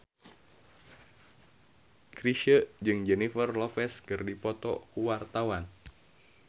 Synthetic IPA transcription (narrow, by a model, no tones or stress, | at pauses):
kɾiʃəʔd͡ʒɨŋd͡ʒɛnifərlɔfɛskɨrdipɔt̪ɔ̰kuwart̪awan